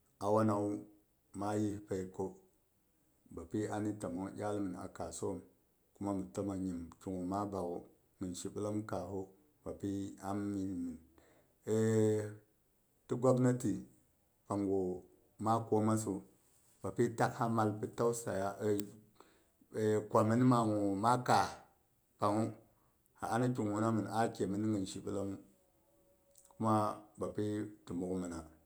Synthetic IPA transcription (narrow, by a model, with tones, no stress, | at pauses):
a˨wa˦na˨u˦ | ma˦ji˦pe˨i˨ko˦ | ba˨pi˦a˦ni˦ta˨mo˦jʲa˦lmi˨na̰˨ka˨so˦˨m | ku˦ma˦mi˨to˦ma˨ɲi˨mt͡ʃu˨ŋo˨ma˦ba˨ɡo˨ | mi˨nʃi˨ɓə˦la˦mka˨ɦo˦ | b̥a˨pi˦a˦mːi˨n˨mi˨n | e˦ | ti˦ɡʷa˦bna˦ti˨ | pa˨ŋɡo˨ | ma˦ko˦ma˦s̬u˨ | ba˨pi˦ta˦kha˦ma˦lpi˨ta˦wsa˨ja˦ʔə˨ | e˨kʷa˨mi˦n˦ma˨ŋu˨ma˦ka˨ | pa˨ŋu˦ | ha̰˨a˦na˦ki˨ŋwu˨na˦mi˨na˦kʲe˨mi˨n˦ŋi˨n˨ʃi˨bə˦la˦mu˦ | ku˦ma˦ba˨pi˦ti˨mu˨kmi˨na˨